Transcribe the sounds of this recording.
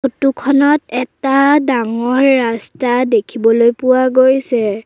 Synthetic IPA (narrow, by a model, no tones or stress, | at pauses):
otukʰɔnɔtɛtadaŋɔɹːastadekʰibɔlojpʊwaɡojsɛ